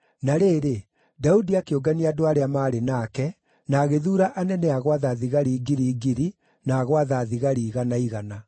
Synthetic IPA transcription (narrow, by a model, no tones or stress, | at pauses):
naɾeːɾe | daudiakeoɡaniadoaɾeamaːɾenaːkɛ | naːɣeðuːɾaʔanɛnɛaɣwaðaðiɣaɾiːɡiɾiːɡiɾi | naːɣwaðaːðiɣaɾiːɣanaiɣana